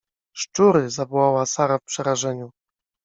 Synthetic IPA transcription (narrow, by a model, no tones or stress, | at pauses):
ʂt͡ʂuɾɘzavɔwawasaɾafpʂɛɾaʐɛɲu